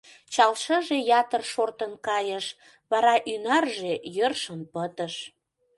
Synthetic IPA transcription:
t͡ɕɑlʃəʒejɑt̪ərʃort̪ənkɑjəʃ | βɑɾɑʔynɑrʒejørʃənpət̪əʃ

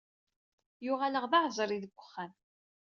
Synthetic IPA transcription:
jʊʁaləʁðɑʕzˤɾˤiðəɡʷːə̥χːæn

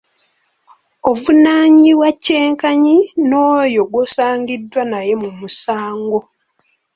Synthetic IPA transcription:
ovunaːɲiwacːe̞ːŋkaɲino̞ːjo̞ɡwoːsaːŋɡidːwanaje̞mumusaːŋɡo̞

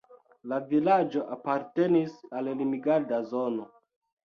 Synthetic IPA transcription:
lavilad͡ʒo̞ʔapaɾte̞nisallimiɡadazo̞no

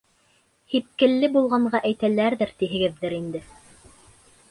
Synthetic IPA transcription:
hip̚kɘ̆lːɘbulˠʁɑɴɢɑʔæjt̪ælæɾðɘɾt̪iɦɘ̆ɡɘ̆ðːɘɾind̪ɘ

